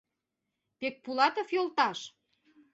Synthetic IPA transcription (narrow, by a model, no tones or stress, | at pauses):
pek̚pulɑt̪ofjolt̪ɑʃ